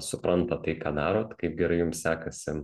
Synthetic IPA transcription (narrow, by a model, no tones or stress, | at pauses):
sʊpɾɐnt̪ɐt̪ɐɪkɑːd̪ɑːɾoːt̪kɐɪp̚ɡʲɛɾɐɪjʊmsʲsʲæːkɐsʲɪ